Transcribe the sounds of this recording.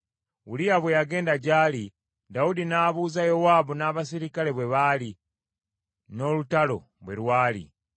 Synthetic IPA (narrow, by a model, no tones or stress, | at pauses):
βulijaβwe̞jaɡe̞ːndaɟaːli | daudinaβuːzajowaːbunaːβas̬iɾikale̞βwe̞βali | no̞ːlutalo̞̰ | βwe̞̰lwaːlḭ